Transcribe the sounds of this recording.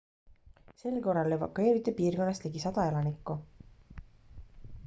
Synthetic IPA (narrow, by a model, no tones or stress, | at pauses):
se̞lko̞rːɑlːevɑ̰kːue̞ːɾit̪ːˑepiːrko̞nːɑst̪liɡisɑd̪̥ɑe̞lɑnikːˑu